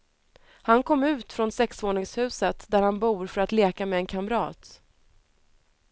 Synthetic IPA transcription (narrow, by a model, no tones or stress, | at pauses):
hankʰɔmːʉ̟ːt̪fɾɔnsɛksvoːɳɪŋshʉ̟ːsət̪d̪æɾhanbuːɾfœɾat̪leːkamɛːnkʰamɾɑːt̪